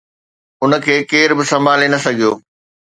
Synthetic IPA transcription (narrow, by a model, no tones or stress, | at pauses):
ʊnə̆kʰeːkeːɾbɪsɐmbʱaːlenɐsɐɡʱijoː